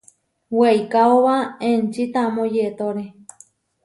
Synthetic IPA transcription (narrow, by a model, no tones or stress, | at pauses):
wejkaoβaẽnt͡ʃit̪amõjet̪oɾe